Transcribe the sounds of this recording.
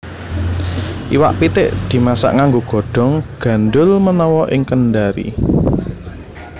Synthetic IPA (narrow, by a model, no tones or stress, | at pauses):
ʔiwa̰ʔpit̪ɪʔd̪̥i̤masa̰ʔŋaŋɡoɡ̥o̤ɖ̥ɔ̤ŋɡ̥a̤nɖʊlmənɔwɔʔɪŋkənɖaɾḭ